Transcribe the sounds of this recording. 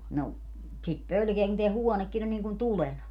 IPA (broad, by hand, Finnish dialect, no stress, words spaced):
no sit pølkeæ kun teæ huɔnekːin on niːŋ kun tulenɑ